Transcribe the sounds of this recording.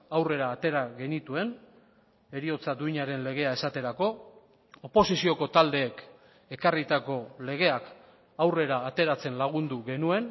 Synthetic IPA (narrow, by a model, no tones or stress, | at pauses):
awre̞ɾaːt̪e̞ɾaɣe̞nit̪ue̞n | e̞ɾio̞t͡sad̪ujɲaɾe̞nle̞ɣ̞e̞ae̞sat̪e̞ɾako̞ | opo̞sisio̞ko̞t̪ald̪e̞ːk | e̞karit̪ako̞le̞ɣ̞e̞ak | awre̞ɾaːt̪e̞ɾat͡se̞nlaɣ̞und̪uɣe̞nue̞n